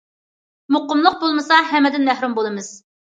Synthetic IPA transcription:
moqʊmlˠʊəq̚bolˠmɨsɑɦɛmːɛd̪ɪnmæhɾumbolˠɨmɨz̥

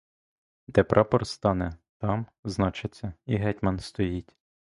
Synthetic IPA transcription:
d̪ɛpɾʔɑpɔrst̪ɑnɛt̪ɑmznɑt͡ʃɪt͡sʲːɐiɦɛtʲmɐnst̪ɔjitʲ

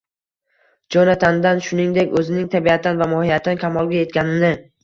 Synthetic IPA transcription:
d͡ʒɒnat̪ʰand̪anʃʊnɪŋd̪e̞kʲɵzɪnɪŋt̪ʰabiat̪ʰːanvamɒhijat̪ʰːankʲʰamɒlˠɡʲaje̞t̪̚kʲanɪnɪ

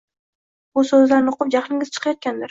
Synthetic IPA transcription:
bʊsɵzlaɾnɪoqʰʊp̚d͡ʒaχlɪŋʲɪz̥t͡ʃʰɨ̥qʰɑjɒt̪̚kʲand̪ɪɾ

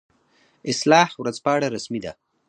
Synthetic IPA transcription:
ɪslɑhwɾazpɑaɽaɾasmid̪a̰

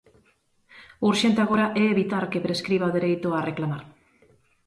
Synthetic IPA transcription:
uɾʃent̪eaɣ̞oɾaʔɛeβit̪aɾkepɾeskɾiβ̞aðeɾejt̪oareklamaɾ

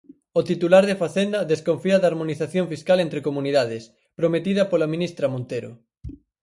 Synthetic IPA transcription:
ot̪it̪ulaɾðefaθend̪ɐðeskoɱfiɐðaːɾmoniθaθjoɱfiskalẽnt̪ɾekomuniðað̞es | pɾomet̪iðɐpolamĩnist̪ɾɐmõnt̪eɾʊ̰

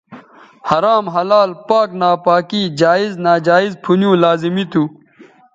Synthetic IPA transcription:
hɐɾaːmɦɐlaːlpaːknaːpaːkid͡ʑaːiznaːd͡ʑaːizpʰunjũːlaːzimit̪u

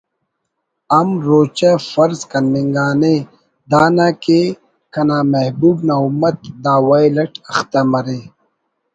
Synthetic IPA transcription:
ɐmɾoːt͡ɕafɐɾzkɐnːiŋɡaːne | d̪aːnaːke | kɐnaːmɐhbuːbnaumɐt̪̚d̪aːwajlɐʈɐxt̪amɐɾeː

